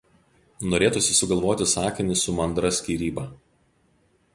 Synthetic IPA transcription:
noːɾʲeːt̪ʊsʲɪsʊɡɐlˠʋoːt̪ʲɪsɑːkʲɪnʲɪsʊmɐnd̪ɾɐsʲkʲiːɾʲiːbɐː

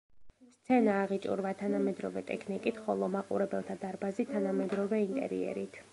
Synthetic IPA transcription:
st̪sʰɛnaːʁit͡ʃʼṵɾvat̪ʰanamɛd̪ɾɔvɛt̪ʼɛkʰnikʼit̪ʰχɔlˠɔmaqʼṵɾɛbɛlˠt̪ʰad̪aɾbazit̪ʰanamɛd̪ɾɔvɛint̪ʼɛ̰ɾḭɛ̰ɾit̪ʰ

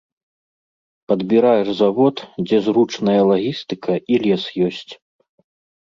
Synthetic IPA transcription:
pɐd̪bʲiɾajɛʐzavɔt̪d͡zʲɛzɾut͡ʂnɐjɐlˠaɣʲist̪ɨkʰɐʔilʲɛsjɔsʲt͡sʲ

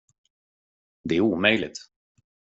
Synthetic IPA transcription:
d̪ɛæɾuːmœjlɪ̰t̪

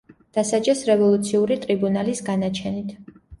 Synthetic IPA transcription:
d̪̥asad͡ʒɛsɾɛvɔlˠut̪sʰiuɾit̪ʼɾibunalisɡanat͡ʃʰɛnit̪ʰ

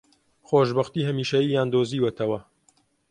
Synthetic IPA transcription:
xoːʒbɐxt̪iːhɐmiːʃɐjiːjaːnd̪oːziːwɐt̪ʰɐwɐ

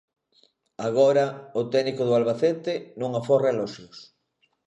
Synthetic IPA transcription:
aɣ̞oɾɐʊt̪ɛnikoðʊalβaθet̪ɪnõŋaforaelɔʃjos

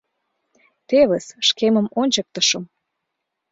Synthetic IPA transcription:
t̪eβə̆sʃkemə̆monʲt͡ɕə̆k̚t̪ə̆ʃɤ̆m

